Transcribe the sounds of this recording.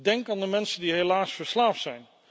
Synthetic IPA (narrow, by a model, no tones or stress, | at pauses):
dɛŋkaːndəmɛnsəndiɦelaːsfəɹslaːftsɛjn